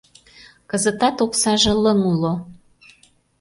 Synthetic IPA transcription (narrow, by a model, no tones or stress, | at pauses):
kəzət̪ɑt̪oksɑʒə̆ləŋulo